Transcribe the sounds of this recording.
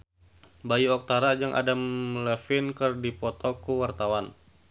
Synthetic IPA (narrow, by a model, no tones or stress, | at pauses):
bajuɔk̚t̪aɾad͡ʒaŋʔa̰damlɛfɪnkɨrdipɔt̪ɔkuwart̪awan